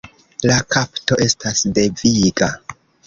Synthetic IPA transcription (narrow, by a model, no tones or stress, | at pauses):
lakapto̞ʔe̞stasde̞viɡa